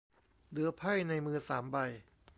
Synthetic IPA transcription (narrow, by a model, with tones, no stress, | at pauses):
dɯ˩˦pʰa˥˩jna˧jmɯː˧saː˩˦mba˧j